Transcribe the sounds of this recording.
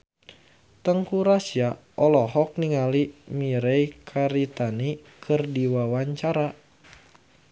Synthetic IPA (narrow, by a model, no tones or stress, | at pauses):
t̪əŋkuɾasia | ʔɔlɔɦɔk̚niŋalimiɾejkʰaɾit̪ani | kʰɨrdiwawaɲt͡ʃaɾa